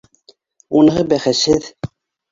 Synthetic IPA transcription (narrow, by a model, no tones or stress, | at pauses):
unɤ̆ɦɤbæχæshɘð